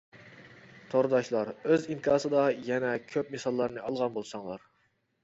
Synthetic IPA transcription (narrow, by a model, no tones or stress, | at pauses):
t̪ʰoɾd̪ɑʃlˠɑɾøzinkʰɑːsɨd̪ɑjɛnɛkʲʰøp̚mesɑlˠːɑɾnɨɑlˠʁɑnbolˠsɑŋlˠɑɾ